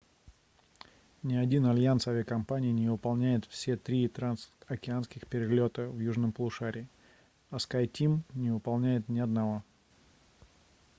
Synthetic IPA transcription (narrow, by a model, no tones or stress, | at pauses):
nʲɪɐdʲinɐlʲjansavʲɪəkɐmpanʲɪːnʲɪvɨpɐlˠnʲæjɪt̪fsʲe̞t̪ɾʲit̪ɾansɐkʲɪanskʲɪxpʲɪɾʲɪlʲo̞t̪əvjuʐnəmplˠʊʂaɾʲɪː | ɐskajtʲimnʲɪvɨpɐlˠnʲæjɪt̪nʲɪɐd̪nɐvo̞